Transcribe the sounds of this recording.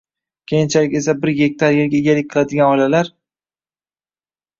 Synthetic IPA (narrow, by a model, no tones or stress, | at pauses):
kʲʰe̞jɪnt͡ʃʰalɪkʲe̞s̬abɪɾjek̚ʲt̪ʰaɾjeɾɡʲaɪɡʲalɪk̚ʲqʰɨlˠad̪ɪɡʲanɒlalaɾ